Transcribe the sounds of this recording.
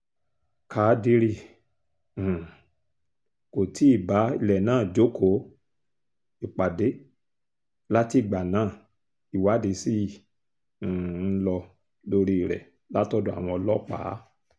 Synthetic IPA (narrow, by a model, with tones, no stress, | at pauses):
kʰaː˨˦di˧˦ɾi˧˨ | ko˨ti˨˦i˦˨ba˨˦i˧lɛ˨nãː˦˨d͡ʒo˨˦kʰo˨˦ | i˨k͡pa˨de˨˦ | la˦ti˦˨ɡ͡ba˨nãː˦˨ | i˨wa˨˦de˨˧˦si˦˨˦ | lɔ˧ | lo˧ɾi˧˨ɾɛ̰˨ | la˦tɔ˦do˦a̰˨w̃ɔ̃˧ɔ˧lɔ˦k͡paː˨˦